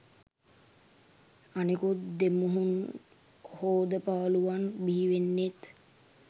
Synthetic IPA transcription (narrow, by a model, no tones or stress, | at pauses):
anikut̪d̪emuɦun | hoːd̪əpaʋəluʋanbiɦiʋenːet̪